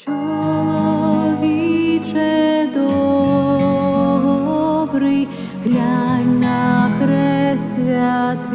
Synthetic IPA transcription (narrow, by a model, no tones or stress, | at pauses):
t͡ʃɔɔlˠɔʋʲit͡ʃɛd̪ɔ | ɦɔbɾɨj | ɦlʲaɲʲnakɾɛsʲʋʲat̪